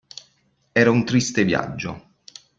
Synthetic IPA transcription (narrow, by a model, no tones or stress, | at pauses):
ɛːɾaunt̪ɾist̪evja̰d͡ʒːo̰